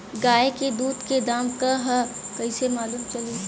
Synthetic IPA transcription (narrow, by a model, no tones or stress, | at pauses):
ɡaːeked̪uːd̪ked̪aːmkaɦɐ | kɐisemaːlumt͡ʃɐli